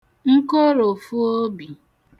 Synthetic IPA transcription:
ŋ̩˦ko˦ɾo˨fu˦o˦bi˨

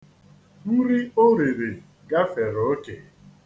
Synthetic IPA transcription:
ɾi˦o˦ɾe˨ɾe˨ | ɡa˦fe˨ɾo˨o˦ke˨

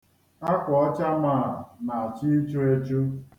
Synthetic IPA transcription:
a˦kʷɔ˨ɔ˦t͡ʃa˦ma˦˨a˨na˨a˨t͡ʃi˦t͡ʃo˦e˦t͡ʃo˦

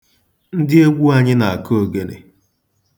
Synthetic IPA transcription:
n̩˦dɪ˦e˦ɡʷu˦a˨ɲɪ˦na˨a˨kʰo˨ɡe˨nḛ˨

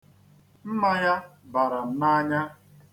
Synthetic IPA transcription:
m̩˦ma˨ja˦ba˨ɾa˨n̩˦na˦ɲa˦

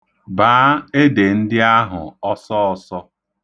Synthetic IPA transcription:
baː˨˦e˦de˨n̩˦dɪ˦a˦ɦʊ̰˨ɔ˦sɔ˦ɔ˦˨sɔ˦

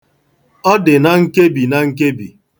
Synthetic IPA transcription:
ɔ˦dɪ˨na˨ŋ̩˦ke˦bi˨na˨ŋ̩˦ke˦bi˨

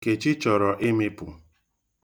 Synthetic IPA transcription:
ke˨t͡ʃɪ˦t͡ʃɔ˨ɾɔ˨ʔɪ˦me˦pʊ̰˨

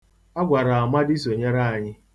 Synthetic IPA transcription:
a˦ɡʷa˨ɾa˨a˨ma˦di˦s̬o˨ɲe˦ɾa˦˨a˨ɲɪ˦

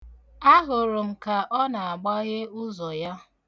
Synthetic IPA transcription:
a˦ɦʊ˨ɾʊ˨m̩˨ka˨ʔɔ˦na˨a˨ɡ͡ba˦ɣɪ˦ʊ˦zɔ˨ja˦

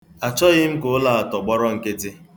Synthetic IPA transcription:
a˨t͡ʃɔ˦ɣɪ˦m̩˦ko˨˦la˦˨a˨tɔ˨ɡ͡bɔ˦ɾɔ˦ŋ̩˨ke˦tɪ˦

